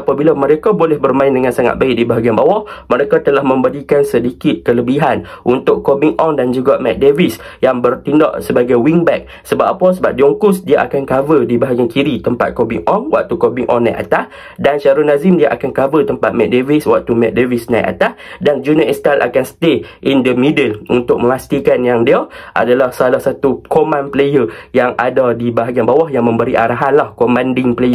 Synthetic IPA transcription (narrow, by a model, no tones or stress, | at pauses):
apabilaməɾekabolɛhbərmãɪ̃ndəŋãnsaŋa̰t̪̚baɪʔ̚dibaɦaɡianbawaʔməɾekat̪əlahmə̃mbədikansədikɪt̪̚kələbiɦanʔunt̪ʊkobiŋʔɔndand͡ʒuɡamɛ̰t̪̚devisjaŋbərt̪indɔ̰ʔsəbaɡajwiŋbɛk̚ | səbap̚apasəbap̚diɔŋkʊsdiaʔakankavədibaɦaɡiankiɾit̪əmpa̰t̪̚kobḭŋɔnwa̰k̚t̪ukobiŋʔɔ̰nːaj̰ʔa̰t̪ah | danʃaɾunazimdiaʔakankavət̪əmpat̪̚mɛk̚deviswaʔ̚t̪umɛk̚devisnajʔa̰t̪ahdand͡ʒunaʔɛst̪alʔa̰kanst̪eʔindəmidəlunt̪ʊk̚mə̃mast̪ikanjaŋdiaʔa̰dalahsalahsat̪ukomãnplejəjaŋʔadadibaɦaɡianbawahjaŋmə̃mbəɾiʔaɾaɦanlahkomãndɪŋpəlejə